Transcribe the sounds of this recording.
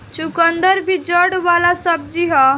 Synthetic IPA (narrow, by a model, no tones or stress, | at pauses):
t͡ʃukənd̪əɾbʱid͡ʒəɽʋalasəb̚d͡ʒiɦɔ